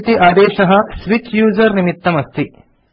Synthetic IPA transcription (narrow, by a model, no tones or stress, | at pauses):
t̪iʔaːd̪eːʃɐɦɐ̆sʋit͡ʃjuːzɐɾnimit̪ːɐmɐst̪ʰi